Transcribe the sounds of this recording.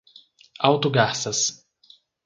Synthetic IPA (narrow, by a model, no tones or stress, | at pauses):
ɑʊt̪uɡaːsɐs